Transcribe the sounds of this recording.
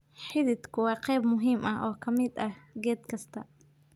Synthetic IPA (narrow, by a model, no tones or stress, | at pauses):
ħɪðɪd̪kʰʊwɑːqɛjbmʊɦiːmʔɐʔɔːkʰɐmɪd̪ɐɡɛːd̪kʰɐst̪ʰɐ